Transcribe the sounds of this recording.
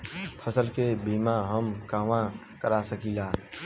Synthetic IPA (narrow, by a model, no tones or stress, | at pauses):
pʰəsəlkebʱiːmãɦəmkaːʋã | kəɾasəkiːlaː